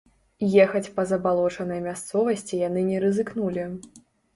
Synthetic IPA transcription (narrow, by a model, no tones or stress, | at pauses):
jɛxɐt͡sʲpɐzɐbalˠɔt͡ʂɐnɐjmʲast̪sɔvɐsʲt͡sʲijan̪ɨnʲɛɾɨzɨknulʲi